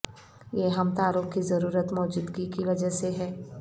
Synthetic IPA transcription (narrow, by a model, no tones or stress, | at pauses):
jeɦɐmt̪aːɾopkizɐɾuːɾət̪mɔːd͡ʒud̪ɡikiʋɐd͡ʒəseɦɛː